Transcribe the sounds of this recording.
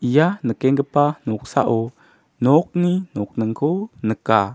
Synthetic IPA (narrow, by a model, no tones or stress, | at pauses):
ʔijanəkeŋɡəpanɔk̚sa̰ʔu | nɔk̚ninɔk̚nəŋkʰonəka